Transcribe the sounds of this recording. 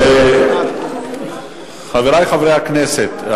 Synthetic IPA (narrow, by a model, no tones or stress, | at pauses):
χaveɾajχavɾejhaknɛset̪